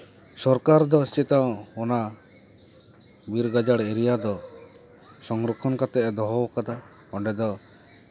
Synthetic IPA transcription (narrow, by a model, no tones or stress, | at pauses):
sɔɾkaɾd̪ɔst͡ʃit̪aw̃ɔna | biɾɡad͡ʒaɽeɾijad̪ɔ | sɔŋɡɾɔkʰɔnkat̪ɛʔɛd̪ɔɦɔbɔkad̪a | ɔɳɖɛd̪ɔ